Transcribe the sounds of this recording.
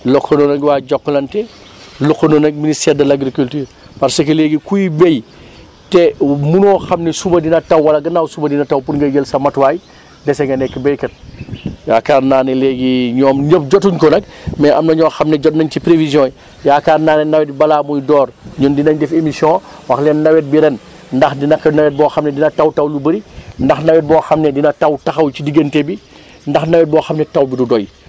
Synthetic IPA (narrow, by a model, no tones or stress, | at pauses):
lɔkːononɐɡwaːɟɔkːlɐntɛ | lɔkːononɐk̚ministɛɾdɐlaɡɾikultyːɾ | pɐɾsɐkɐleːɡikujbej | tɛmunɔːxɐmnɛsubɐdinɐtɐwwɐlɐɡɐnawsubɐdinɐtɐwpunɡɐɡəlsɐmɐtwaːj | dɛsɛŋɡɐnɛkːəbejkɐt̚jaːkaːɾnaːnɛleːɡiɲɔːmɲəp̚ɟɔtuɲkɔnɐk̚mɛʔɐmnɐɲɔːxɐmnɛɟɔt̚nɐɲcipɾevizjɔ̃ːi | jaːkaːɾnaːnɛnɐwɛt̚bibɐlaːmujdɔːrɲundinɐɲdɛfemisjɔ̃ | wɐxlɛnːɐwɛt̚biɾɛn | ndɐxdinɐkːnɐwɛt̚bɔːxɐmnɛdinɐtɐwtɐwlubɐɾindɐxnɐwɛt̚bɔːxɐmnɛdinɐtɐwtɐxɐwt͡ʃidiɡɐntebi | ndɐxnɐwɛt̚bɔːxɐmnɛtɐwbidudɔj